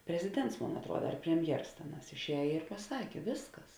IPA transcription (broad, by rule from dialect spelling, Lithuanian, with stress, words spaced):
pʲrʲɛzʲɪˈdʲɛnts ˈmoːn ɐtruɔdɐ ɐr pʲrʲɛmʲˈjɛrs ˈtʲeːˌnɑːs ɪʃʲˈɛːj ɪ pɐˈsɑːkʲeː ˈʋʲeːsˌkɐs